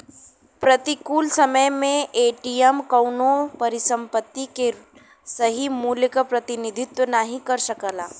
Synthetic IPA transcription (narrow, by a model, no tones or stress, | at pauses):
pɾɐt̪ikuːlsɐməjmẽʔeːʈijɛmkɐʊnopɐɾɪsə̃mpət̪ːike | sɐɦimuːljəkapɾɐt̪ɪnɪd̪ʱɪt̪wənaɦĩkɐɾʃɐkəlaː